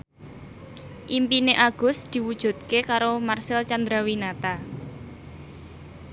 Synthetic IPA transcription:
ʔimpineʔaɡ̥ʊ̤sd̪̥i̤wud̥ʒ̥ṳt̪̚kekaɾomarsɪlt͡ʃand̪ɾawinat̪a

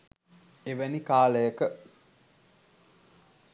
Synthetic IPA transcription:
eʋænikaːləjəkə

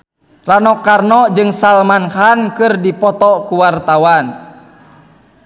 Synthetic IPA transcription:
ranɔkarnɔd͡ʒɨŋsalmanhankɨrdipɔt̪ɔkuwart̪awan

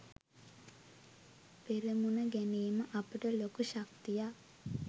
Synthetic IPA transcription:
peɾemunəɡæniːməʔapiʈəlokuʃakt̪ija

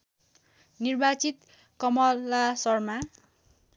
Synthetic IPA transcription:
nirbat͡sit̪ | kʌmʌlːasʌrma

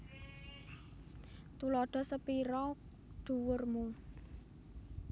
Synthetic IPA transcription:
t̪ulɔɖ̪̥ɔ̤səpiɾɔ | ɖ̪̥ṳwʊrmu

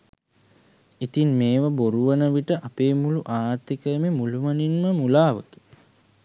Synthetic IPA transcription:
it̪inmeːʋəboɾuʋənəʋiʈəʔapeːmuluʔaːɾt̪ːikəjəmemuluʋəninməmulaːʋəki̥

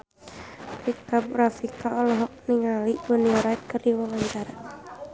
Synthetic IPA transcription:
rikabɾafikaɔlɔɦɔk̚niŋalibuniɔɾait̪kərdiwawaɲt͡ʃaɾa

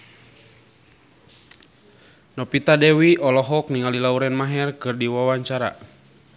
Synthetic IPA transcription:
nɔpit̪adɛwiʔɔlɔɦɔk̚niŋalilauɾɛnmaɦɛrkɨrdiwawaɲt͡ʃaɾa̰

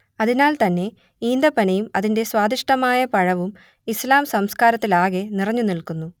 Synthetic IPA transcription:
ɐðinaːlt̪ɐnːe̞ | iːnd̪ɐpɐnɐjumɐðinde̞swaːd̪iʂʈɐmaːjɐpɐɻɐʋum | islaːmsɐmskaːɾɐt̪ːilaːɣenirɐɲːunilkunːu

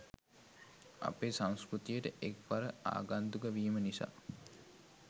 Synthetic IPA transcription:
a̰peːsaŋskɾut̪ijəʈəʔekʋaɾəa̰ːɡand̪uɡəʋiːmənisa̰ː

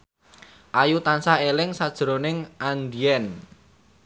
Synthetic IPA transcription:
ʔajut̪ansahelɪŋsad̥ʒ̥ɾonɪŋʔand̪iɛn

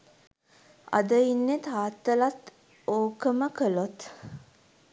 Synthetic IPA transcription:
a̰d̪əinːet̪aːt̪ːəlat̪ | oːkəməkəlot̪

